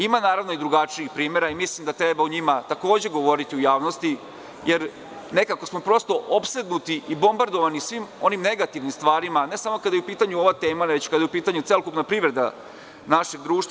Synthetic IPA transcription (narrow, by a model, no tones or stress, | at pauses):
imanaːɾaʋno̞id̪ɾuɡat͡ʃiixpɾiːme̞ɾaimislˠimd̪at̪ɾebauɲimat̪ako̞ːd͡ʑe̞ɡo̞ʋo̞ɾit̪iujaːʋno̞st̪i | je̞ɾ | ne̞kako̞smo̞pɾo̞st̪o̞ʔopse̞d̪nut̪iʔibo̞mbaɾd̪o̞ʋanisʋimo̞nimne̞ɡat̪iʋnimst̪ʋaːɾimane̞samo̞kad̪ajupiːt̪aɲuo̞ʋat̪e̞ːmaʋet͡ɕkad̪ajupiːt̪aɲut̪elokupnapɾiʋɾe̞d̪a̰ | naʃe̞ɡ̚d̪ɾuːʃt̪